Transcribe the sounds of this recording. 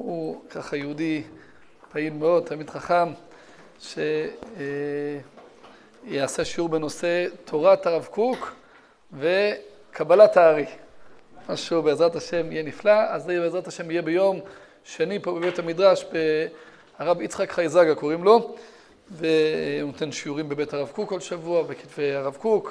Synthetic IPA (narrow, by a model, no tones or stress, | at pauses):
hukʰaχajeudi | pailmeo̞d̪̚t̪amid̪χaχam | ʃe | jeaseʃiuʁbeno̞se̞t̪ʰo̞ʁat̪aʁavkuk | ve | kʰabalataːʁi | maʃeubeːzʁathaʃe̞mijeniflaazejbeezʁathaʃe̞mijebejo̞m | ʃe̞nipobebethamid̪ʁaʃbe | aʁavit͡sχakχajzaɡakoʁimlo̞ | venot̪e̞nʃiuʁimbe̞bethaʁavkukalʃavuabeki̥tvejaʁavkuk